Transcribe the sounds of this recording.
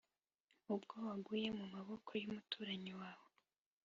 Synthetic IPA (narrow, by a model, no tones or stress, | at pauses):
ubɡowaɡuje̞mumaβo̞kʰo̞jumutuːɾaɲiwaːwo